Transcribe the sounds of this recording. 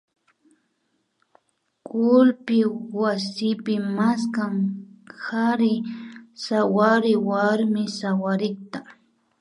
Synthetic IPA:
kʊlpɪwasɪpɪmaskamhaɾɪsawaɾɪwaɾmɪsawaɾɪkt̪a

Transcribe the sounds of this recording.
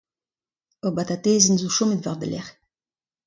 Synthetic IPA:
obat̪at̪eːzənzuʃomət̪vaʁd̪ə̰lɛ̰ʁ

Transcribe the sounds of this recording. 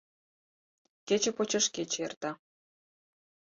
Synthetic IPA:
ket͡ɕĕpot͡ɕə̆ʃkʲet͡ɕert̪ɑ

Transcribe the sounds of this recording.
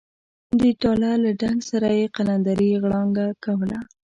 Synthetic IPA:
d̪əʈɑlalaɖaŋɡsaɾajeqaland̪aɾiɣɽɑŋɡakawəla

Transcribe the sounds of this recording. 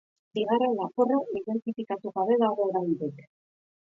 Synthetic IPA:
biɣarelaporoiðe̞nt̪ifikat̪uɣaβe̞ðaɣo̞ːɾajnd̪ik

